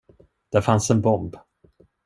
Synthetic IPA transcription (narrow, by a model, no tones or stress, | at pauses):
d̪̥æɾfansɛnbɔmb